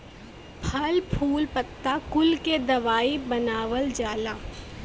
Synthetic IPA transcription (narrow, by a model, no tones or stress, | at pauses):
pʰɐlpʰuːlpɐt̪ːakʊlked̪ɐʋaːibɐnaːʋəld͡ʒaːlaː